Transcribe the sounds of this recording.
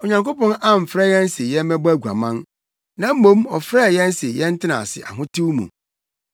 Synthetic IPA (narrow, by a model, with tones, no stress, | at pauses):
o˨ɲã˨ŋko˦pɔ̃˦na˦m̩˨fɾɛ˦˨jɛ̃˦n˦se˨jɛ˦mɛ̃˦bæ˦˨ɡu˨a̰˨mã˦n | nã˨˦m̩˦mõ˦mɔ˨fɾɛ˦˨jɛ̃˦n˦se˨jɛ˦n̩˦tɪ˦nã̰˨sɪ̰˨ʔa̰˨ɦʊ̃˦tʰi˦wmṵ̃˨